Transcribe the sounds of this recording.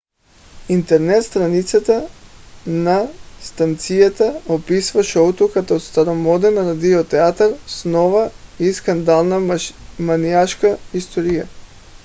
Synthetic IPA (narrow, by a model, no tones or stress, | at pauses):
int̪ɛɾnɛt̪st̪ɾanit̪sat̪a | nast̪ant̪sijat̪aopisvaʃɛut̪ɔkat̪aot̪st̪aɾɔmɔd̪ɛnɾad̪iɔt̪ɛat̪aɾsnɔvaiskand̪alˠnamaniaʃkaist̪ɔɾija